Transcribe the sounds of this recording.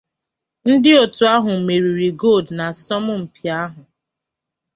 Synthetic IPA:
n̩˦dɪ˦o˨tu˨a˦ɦʊ˨me˨ɾi˨ɾi˨ɡo˦˨dna˨sɔ˦mʊ˦m̩˨pi˨a˦ɦʊ˨

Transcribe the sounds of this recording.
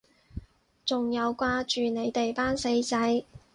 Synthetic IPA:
t͡sʊ˨ŋjɐ˨˧wkʷaː˧t͡ʃyː˨ne˨˧jt̪e˨jpaː˥nse˧jt͡sɐ˧˥j

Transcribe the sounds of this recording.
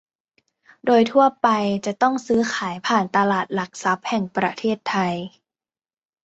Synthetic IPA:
doː˧jt̪ʰu˥˩ɐpa˧jt͡ɕa˨˩t̪ɔ˥˩ŋsɯː˦˥xʰaː˩˦jpʰaː˨˩nt̪a˧laː˨˩t̪̚la˨˩k̚sa˦˥p̚hɛ˨˩ŋpɾa˧t̪ʰeː˥˩t̪ʰːa˧j

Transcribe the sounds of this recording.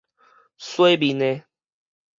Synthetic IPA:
swe˦bi˨ne˧

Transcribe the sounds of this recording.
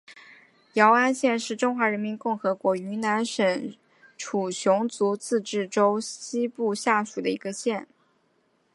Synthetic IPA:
jɑ˧˥ʊa˥nɕjɛ˥˧nʂɻ̩˥˩ʈ͡ʂʊ˥ŋxwa˧˥ɻə˧˥nmi˧˥nkʊ˥˩ŋxɤ˧˥kwɔ˧˥y˧˥na˧˥nʂə˨˥n | ʈ͡ʂʰu˨˩ɕjʊ˧˥ŋt͡su˧˥t͡sɹ̩˥˧ʈ͡ʂɻ̩˥˩ʈ͡ʂo˥ʊɕi˥pu˥˧ɕja˥˩ʂu˨˩d̪ə˦ḭ˧˥ɡə˧ɕjɛ˥˩n

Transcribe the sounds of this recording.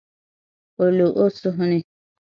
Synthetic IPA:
o˨lu˨ʔo˦su˦ɦũ˦ni˨

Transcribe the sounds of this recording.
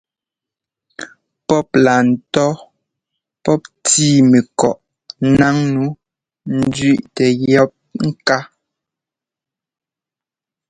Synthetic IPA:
pɔ˦p̚la˨n̩˨tɔ˦ | pɔ˦p̚tiː˦˨mɛ˨kɔ˨ʔ | na˦ŋnu˨˦ | n̩˦dɥi˦ʔtɛ˨jɔ˦p̚ŋ̩˦ka˦

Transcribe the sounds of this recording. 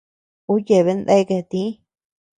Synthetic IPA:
u˦je˧˨βe˧nd̪a˦i˧ke˧˨t̪ĩ˦

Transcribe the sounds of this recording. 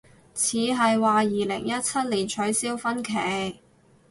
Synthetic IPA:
t͡sʰiː˨˧ɦɐ˨jwaː˨jiː˨lɪ̰˨˩ŋjɐ˥t̚t͡sʰɐ˥t̚li˨˩nt͡ʃʰɵ˨˥ɥsiː˥wfɐ˥nkʰe˨˩˥

